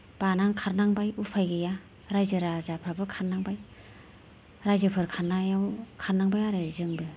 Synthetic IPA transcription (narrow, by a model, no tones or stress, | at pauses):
b̥anaŋkʰaɾnaŋbajupʰajɡɯja | ɾajzɯɾazapʰɾabɯkʰaɾnaŋbaj | ɾajzɯpʰɯɾkʰaɾnajawkʰaɾnaŋbajaɾezɯŋbɯ